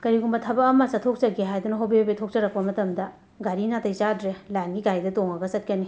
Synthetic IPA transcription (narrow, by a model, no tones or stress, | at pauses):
kɐɾiɡumbɐtʰɐbɐːmasɐtʰok̚t͡ʃɐɡeɦajdunɐɦɐwbibabetʰok̚t͡ʃɐɾɐk̚pɐmɐtɐmdɐ | ɡaɾinatɐjzadɾelajnɡiɡajdɐtoŋɐɡɐsɐt̚kɐni